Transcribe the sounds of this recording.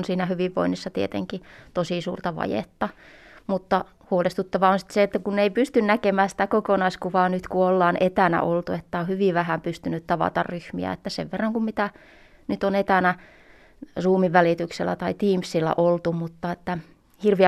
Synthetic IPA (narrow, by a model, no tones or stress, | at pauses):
nsiːnæhyʋiʋːo̰inːisːɑt̪iet̪ḛŋkit̪osiˑsṵːrt̪ɑʋɑ̰jḛt̪ːɑmut̪ːɑ | huolest̪ut̪ːɑʋɑonsi̥t̪seet̪ːækunːeipyst̪ynnækemæːsĭ̥t̪ækokonɑiskuʋɑːnyt̪kuolːɑːnet̪ænæ̰ʔolt̪uet̪ːæohyʋiʋæhæmpyst̪ynyt̪t̪ɑʋɑ̰t̪ɑ̰rryhmḭæ̰et̪ːæsḛʋʋerːɑŋkummit̪æ | nyt̪onet̪ænæ | ruːmiʋʋælit̪ykselːæ̰t̪ɑit̪iːmsːilːæ̰ʔolt̪umut̪ːɑet̪ːæ | hirʋiæ